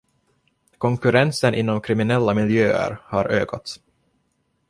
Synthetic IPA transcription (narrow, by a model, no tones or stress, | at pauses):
kʰɔŋkɵɾɛnsənʔɪnːɔmkʰɾɪmɪnɛlːamɪljøːə̰ɾhaɾøːkat̪s